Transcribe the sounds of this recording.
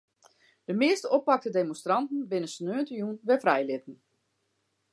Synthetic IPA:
d̥əmɪəstəɔpɑk̚tədemõnstrɑntn̩bɪnəsnøːəntəjunʋɛfrɛjlɪtn̩

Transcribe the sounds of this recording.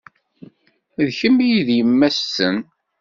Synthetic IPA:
ðçəmijiðjəmːæsːən

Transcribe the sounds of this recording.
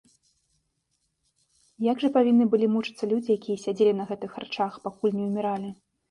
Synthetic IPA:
jaɡʐɐpavʲinːɨbɨlʲimut͡ʂɨt̪sːɐlʲud͡zʲijakʲijɐsʲad͡zʲelʲinɐɣɛt̪ɨxart͡ʂaxpakulʲnʲɛumʲɛɾalʲi

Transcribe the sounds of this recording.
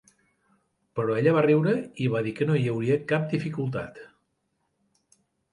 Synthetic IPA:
pəɾɔeʎəβ̞ariwɾəiβaðikənoiəwɾiəkap̚d̪ifikulˠt̪a̰t̪

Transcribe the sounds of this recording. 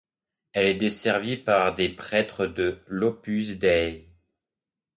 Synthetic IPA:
ɛlɛd̪esɛʁvipaʁd̪epχɛt̪χəd̪əlɔpysd̪ɛ

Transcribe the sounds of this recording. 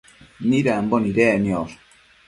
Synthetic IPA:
niɾamboniɾɛnioɾ

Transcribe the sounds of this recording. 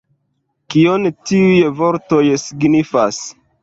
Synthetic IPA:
kiontiujvoɾto̞jsiɡnifas

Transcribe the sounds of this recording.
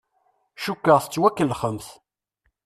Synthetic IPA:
ʃukːəʁθə̥t͡sːwækːəlːχəmθ

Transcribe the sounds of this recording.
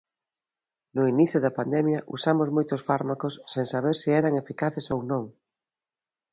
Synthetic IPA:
nʊiniθjʊðɐpand̪ɛmjɐʔṵsamʊzmojt̪ʊsfaɾmakʊsːeŋsaβeɾsiɛɾɐŋefikaθɪsownõŋ

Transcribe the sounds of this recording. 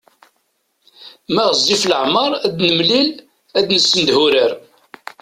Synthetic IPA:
mæʁəzˤːifləʕmɑɾˤæd̪nəmlil | æd̪nəsːənd̪hʊɾəɾ

